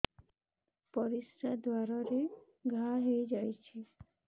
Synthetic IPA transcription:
pɔɾisɾad̪waɾaɾe | ɡʱaɦejd͡ʒajt͡ʃʰi

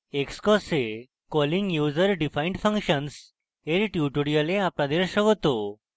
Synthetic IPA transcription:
ekskɔse | kɔliŋɡjuːzəɾɖifʰaiɳɖfʰə̃ŋkʃəns | eɾʈjuʈuɽijəleapnad̪eɾʃəɡɔt̪o

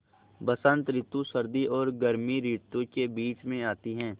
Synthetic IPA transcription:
bɐsə̃nt̪ɾɪt̪usɐɾd̪iʔɔːɾɡɐɾmiɾit̪ũkebiːt͡ʃmẽaːt̪iɦɛ̃ː

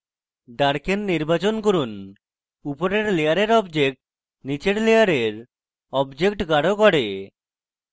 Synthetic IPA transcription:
ɖaɾkenːiɾbat͡ɕonkoɾun | upoɾeɾlejaɾeɾɔbd͡ʑek̚ʈ | nit͡ɕeɽlejaɾeɾ | ɔbd͡ʑek̚ʈɡaɽokɔɽe

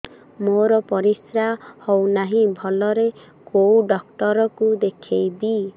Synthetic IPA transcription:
moɾɔpɔɾisɾahɔwnaɦĩbʱɔlɔɾe | kowɖɔk̚ʈɔɾɔkud̪ekʰejd̪i

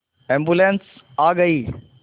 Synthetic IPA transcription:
ẽːmbulẽns | aːɡɐiː

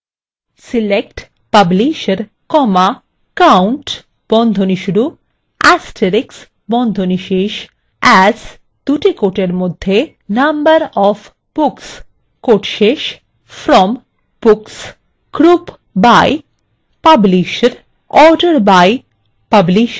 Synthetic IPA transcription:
silek̚ʈ | pabliʃeɾ | kɔma | kawɳʈ | b̥ɔnd̪ʱoniʃuɽu | ɛsʈʰeɾiks | bɔnd̪ʱoniʃeʃ | ɛz | d̪̥uʈikoʈeɾmod̪ʱːe | nambəɾɔf | b̥uks | koʈʃeʃ | fʰɾɔm | b̥uks | kɾup | baj | pabliʃɾ | ɔɾɖəɾbaj | pabliʃ

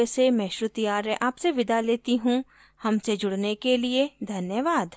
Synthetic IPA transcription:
esemɛ̃ːʃɾʊt̪ijaːɾɛʔaːpseʋɪd̪aleːt̪iɦũ | hɐmsed͡ʒʊɽnekelied̪ʱɐnjəʋaːd̪

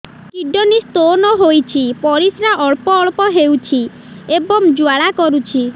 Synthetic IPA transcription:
kiɖɔnist̪onɔɦojt͡ʃʰipɔɾisɾaʔɔɭpɔːɭpɔɦewt͡ʃʰi | ebɔŋd͡ʒuaɭakɔɾut͡ʃʰi

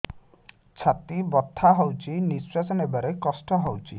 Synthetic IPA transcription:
t͡ʃʰat̪ibɔt̪ʰːaɦɔwt͡ʃʰiniswasɔnebaɾekɔsʈɔɦɔwt͡ʃʰi

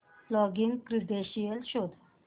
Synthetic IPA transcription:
flɔɡiŋɡkɾid̪eɕijelɕod̪ʱ

